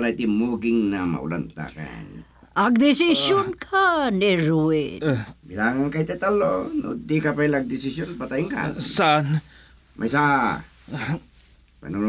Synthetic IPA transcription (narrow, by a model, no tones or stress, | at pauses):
lait̪imuɡiŋnama̰ṵlant̪a̰ka̰n | aɡ̚d̪esisjonkʰaneɾuibilaŋaŋkait̪et̪alːonṵd̪ikapilaɡ̚d̪isisjonpat̪ajiŋka̰san | mʔajsa | pa̰nu